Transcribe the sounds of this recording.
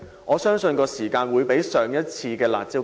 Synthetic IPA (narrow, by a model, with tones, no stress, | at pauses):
ʔɔː˨˧sœː˥ŋsɵ˧nkɔː˧siː˨˩kaː˧nwuː˨˧jpe˨˥jsœː˨ŋjɐ˥t̚t͡sʰiː˧kɛː˧la̰ː˨˩t̚t͡si˥